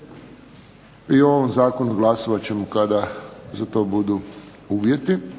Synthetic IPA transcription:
io̞ʋomzaːko̞nuɡlˠasoʋat͡ɕe̞mokad̪azat̪o̞ːbud̪u | uːʋje̞t̪i

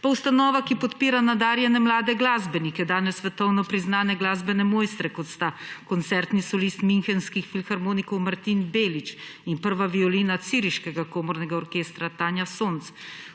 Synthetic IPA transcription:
paust̪anɔːʋakipɔt̪piːɾanad̪aːɾjɛnɛmlaːd̪ɛɡlaːzbɛnikɛd̪aːnɛsːʋɛt̪ɔwnɔpɾiznaːnɛɡlaːzbɛnɛmoːjst̪ɾɛkɔt̪st̪akɔnt̪sɛɾt̪nisɔlist̪minxɛnskixfilxaɾmoːnikɔwmaɾt̪inbeːlit͡ʃinpəɾʋaʋiɔliːnat̪siːɾiʃkɛɡakoːmɔɾnɛɡaɔɾkeːst̪ɾat̪aːnjasont̪s

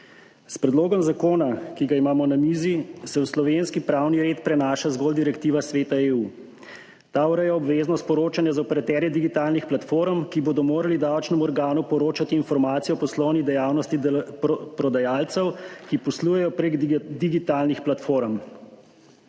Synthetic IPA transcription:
spɾɛd̪loːɡɔmzakoːnakiɡaimaːmɔnamiːzisɛwslɔʋenskipɾawniɾeːt̪pɾɛnaːʃazɡɔːld̪iɾɛkt̪iːʋasʋeːt̪aeuː | t̪auɾɛjɛɔbʋeːznɔspɔɾoːt͡ʃanjɛzaɔpɛɾat̪ɛɾjɛd̪iɡit̪aːlnixplat̪foːɾmkiboːd̪ɔmoːɾalid̪awt͡ʃnɛmuɔɾɡaːnupɔɾoːt͡ʃat̪iːnfɔɾmaːt̪sijɛɔpɔslɔwnid̪ɛjaːwnɔst̪ipɾɔd̪ajalt̪sɛwkipɔslujɛjɔpɾeɡd̪iɡit̪aːlnixplat̪foːɾm

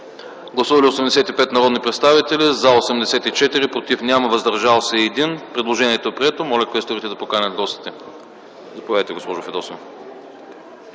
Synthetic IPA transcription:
ɡlˠɐsuvɐliosɛmd̪ɛsɛt̪ipɛt̪nɐɾɔd̪nipɾɛt̪st̪avit̪ɛlizaosɛmd̪ɛsɛt̪it͡ʃɛt̪iɾipɾot̪ifnʲamɐvɐzd̪ɐɾʒalˠsɛːd̪inpɾɛd̪lˠoʒɛniɛt̪opɾiɛt̪omɔlʲɛkɛst̪oɾit̪ɛd̪ɐpokanʲɐd̪ɡlˠɔsi̥t̪ɛ | zɐpovʲajt̪ɛɡospɔʒʊfɛd̪ɔsɛ

